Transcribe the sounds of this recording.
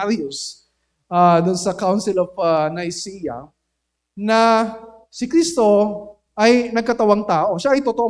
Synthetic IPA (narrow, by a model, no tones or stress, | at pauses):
ɾʊs | ʔad̪ʊnsɐkawnsɪlovɐnɐjsijɐ̰ | nɐ | sɪkɾist̪o̞ | ʔɐjnɐɡ̚kɐt̪ɐwaŋt̪aːʔo̞ʃaʔɐjt̪ot̪oʔo